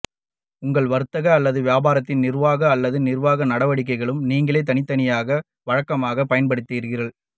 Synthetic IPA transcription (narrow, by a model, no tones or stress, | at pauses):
ʊŋɡɐɭʋɐɾɯt̪ːɐɣɐːlːɐðɯʋjaːbaːɾɐt̪ːɪnnɪɾʋaːɣɐːlːɐðɯnnɪrʋaːɣɐnɐɽɐʋɐɽɪk̬ːɐɪɣɐɭɯmniːŋɡɐɭeːt̪ːɐnɪt̪ːɐnɪjaːɣɐ | ʋɐɻɐkːɐmaːɣɐpːɐjɐnpɐɽɯt̪ːiːɾɣɪrɐɭ